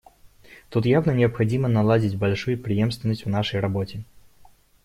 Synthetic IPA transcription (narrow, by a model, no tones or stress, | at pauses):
t̪ut̪javnənʲɪəpxɐdʲimənɐlˠadʲɪtʲbɐlʲʂujʊpɾʲɪjemst̪vʲɪnəsʲtʲvnaʂəjrɐbotʲɪ